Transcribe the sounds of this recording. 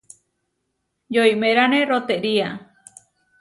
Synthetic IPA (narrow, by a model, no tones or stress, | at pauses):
jojmeɾaneɾot̪eʔɾia